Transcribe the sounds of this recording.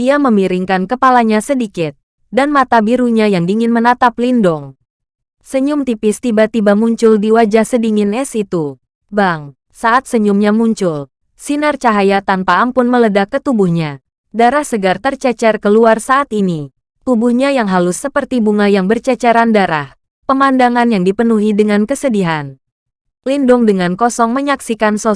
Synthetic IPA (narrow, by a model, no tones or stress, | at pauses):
diaməmiɾiŋkankəpalaɲasədikɪt̪̚ | danmat̪abiɾuɲajaŋdiŋɪnmənat̪aplindɔŋ | səɲʊmt̪ipɪst̪ibat̪ibamuɲt͡ʃʊldiwad͡ʒahsədiŋɪnɛsit̪u | baŋ | saʔat̪̚səɲumɲamuɲt͡ʃʊl | sinərt͡ʃaɦajat̪anpaːmpʊnmələdakːət̪ubuhɲa | daɾahsəɡart̪ərt͡ʃɛt͡ʃɛrkəluarsaʔːt̪ini | t̪ubuhɲajaŋɦalʊsːəpərt̪ibuŋajaŋbərt͡ʃɛt͡ʃɛɾandaɾah | pəmandaŋanjaŋdipənuɦidəŋankəsədiɦan | lindʊŋdəŋankɔsɔŋməɲaksikansɔ